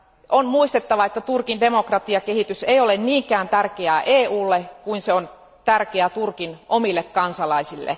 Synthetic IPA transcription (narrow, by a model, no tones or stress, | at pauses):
onmuist̪et̪ːɑʋɑet̪ːæt̪urkinde̞mokrɑt̪iɑkehit̪yseijolenniːŋkæːnt̪ærkeæʔeːuːlːekuinseon | t̪ærkeæt̪urkinʔomilːekkɑnsɑlɑisilːḛ